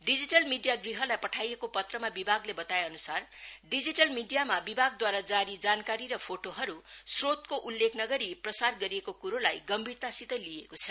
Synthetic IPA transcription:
ɖid͡ziʈʌlmiɖijaɡriɦʌrlajpʌʈʰajekopʌt̪rʌmabibʱaɡlebʌt̪aeʌnusarɖid͡ziʈʌlmiɖijamabibʱaɡ̚d̪waɾad͡zaɾid͡zankaɾiɾʌpʰoʈoɦʌɾusrot̪koʔulːekʰnʌɡʌɾiprʌsarɡʌɾiekokuɾolajɡʌmbʱirt̪asit̪ʌlijekot͡sʰʌ

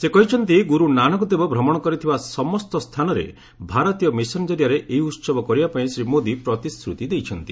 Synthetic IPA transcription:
sekɔɦit͡ʃʰɔnt̪iɡuɾunanɔkɔd̪ebɔbʱɾɔmɔɽ̃ɔkɔɾit̪ʰibasɔmɔst̪ɔst̪ʰanɔɾḛ | bʱaɾɔt̪ijɔmisɔnd͡ʒɔɾjaɾeʔeɦiut̪sɔbɔkɔɾibapaĩsɾimod̪ipɾɔt̪iskɾut̪id̪ejt͡ʃʰɔnt̪i

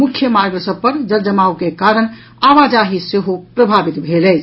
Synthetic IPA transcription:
mukʰjəmaɾɡɾəsəb̚pːəɾd͡ʒəɾd͡ʒəmaukekaɾən | aʋad͡ʒaɦiseɦopɾəbʱabit̪bʱelɛt͡ʃʰ

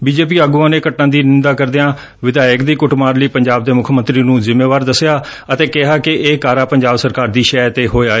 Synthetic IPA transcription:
biːd͡ʒeːpiːaːɡuːãːneːkəʈːãːd̪iːnɪnd̪aːkəɾd̪eãː | ʋɪd̪aːɪkd̪iːkʊʈmaːɾliːpəɲd͡ʒaːb̚d̪eːmʊkʰmənt̪ɾiːnũːzɪmːeːʋaːɾd̪əsejaː | ət̪eːkɪɦaːkɪʔeːkaːɾaːpəɲd͡ʒaːbsəɾkaːɾd̪iːʃɛːt̪eːɦoːeaːeː

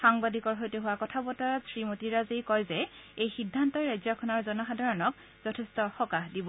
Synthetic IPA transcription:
xaŋbadikɔɹɦojteɦʊwakɔtʰabɔtasɹimotiɹazekɔjzɛejxidʱːantɔɹajzɔkʰɔnɔɹzɔnɔxadʱaɹɔnɔk̚ | z̥ɔtʰɛstɔxɔkaɦdibɔ

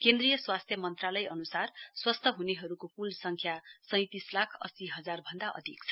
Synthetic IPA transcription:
kend̪rijʌswast̪ʰjʌmʌnt̪ralʌjʌnusarswʌst̪ʰʌɦuneɦʌɾukopulsʌŋkʰjasʌ̃j̃t̪islakʰʌ̰siɦʌd͡zarbʱʌnd̪aʔʌ̰d̪ʱikt͡sʰʌ̥

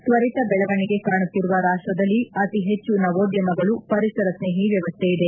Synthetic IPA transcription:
sʋɐɾit̪ɐbɛɭɐʋɐɳiɡe̞kaːɳut̪ːiɾuʋɐɾaːʂʈɾɐd̪ɐlːiɐt̪iɦe̞t͡ʃːunɐʋoːd̪jɐmɐɡɐɭupɐɾisɐɾɐsneːɦiʋjɐʋɐst̪ʰejid̪e

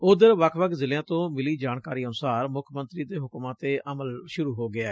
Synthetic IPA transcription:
ʊd̪əɾʋəkʰʋəkzɪljãːt̪õːmɪliːd͡ʒaːɳkaːɾiːənʊsaːɾmʊkʰmənt̪ɾiːd̪eːɦʊkmãːt̪eːʔəməlʃʊɾuːɦoːɡɪaːɛː

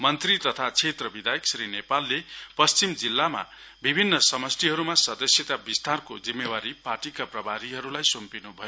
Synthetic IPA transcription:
mʌnt̪rit̪ʌt̪ʰat͡sʰet̪rʌbid̪ajeksɾinepalːepʌst͡simd͡zilːama̰ | bibʱinːʌsʌmʌst̪iɦʌɾumasʌd̪ʌsjʌt̪abist̪arkod͡zimːewaɾiparʈikaprʌbʱaɾiɦʌɾulajsompinubʱʌjo

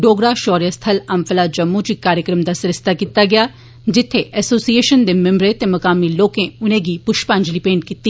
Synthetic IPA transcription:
ɖoːɡɾaːʃɔːɾijəst̪ʰəlɐmpʰəlaːd͡ʒəmːũt͡ʃikːaːɾjəkɾəmd̪aːsɾɪst̪akit̪aːɡɪjaː | d͡ʒɪt̪ʰːeʔɛːsoːsieːʃənd̪eːmɪ̃mbɾet̪emɐkaːmiloːkẽʊnẽːɡipʊʃpãːɲd͡ʒlipẽːɳʈkit̪ːi

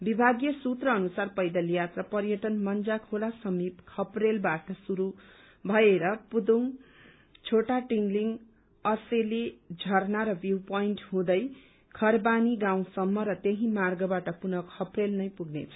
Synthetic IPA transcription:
bibʱaɡjʌsut̪rʌːnusarpʌjd̪ʌljat̪rapʌrjʌʈʌnmʌnd͡zakʰolasʌmipkʰʌprelbaʈʌsuɾu | bʱʌeɾʌpud̪uŋ | t͡sʰoʈaʈiŋɡliŋɡ | ʌselid͡zʱʌrnaɾʌbjupʌiɳʈɦũd̪ʌj | kʰʌrbaniɡaw̃sʌmːʌɾʌt̪eɦĩmarɡʌbaʈʌpunʌkʰʌprelnʌjpuɡnḛt͡sʰʌ̥

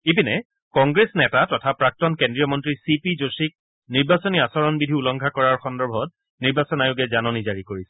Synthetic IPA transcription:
ebinɛ | kɔŋɡɹesnɛtatɔtʰapɹak̚tɔnkendɹijɔmɔntɹisipizosik̚ | niɹbasɔniasɔɹɔnbidʱiulɔŋɡʰʱakɔɹaɹxɔndɔɹbʱɔt̚ | niɹbasɔnajʊɡɛzanɔnizaɹikoɹisɛ̥

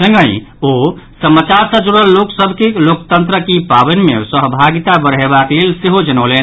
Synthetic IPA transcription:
sə̃ŋɡəjosəmːət͡ʃaɾsəd͡ʒoɽəlːoksəbʱkelokt̪ənt̪ɾəkipabənmesəɦbʱaɡit̪abəɾɦebaklelseɦod͡ʒənəlen

